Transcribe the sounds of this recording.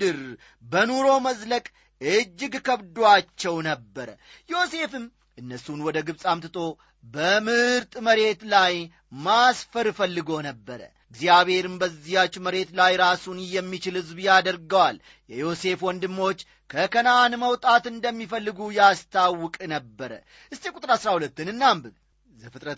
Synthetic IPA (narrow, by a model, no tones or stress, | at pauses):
ɨɾ | bənuɾo̞məzləkʼ | ɨd͡ʒːɪɡkəβd̪wat͡ʃːɛwnəbːəɾə | jo̞se̞fɨm | ʔɨnːəsunwɔd̪əɡɨβsʼamt̪ɨt̪ʼo̞ | bəmɨɨɾt̪ʼməɾe̞t̪laj | masfəɾfəlːɨɡo̞nəbːəɾə̰ | ɡzjaβhe̞ɾɨmbəzːijat͡ʃːməɾe̞t̪lajɾasunjɛmːit͡ʃɪlhɨzbjad̪əɾɡəwal | jɛjo̞se̞fwɔnd̪ɨmːo̞t͡ʃː | kʰəkʰənanməwt̪ʼat̪ɨnd̪əmːifəlːɨɡujast̪ʰawːʊkʼnəbːəɾə̰ | ʔɨst̪ekʼut̪ʼɾasɾahulət̪ːɨnɨnːambɨ | zəfɨt̪ʼɾət̪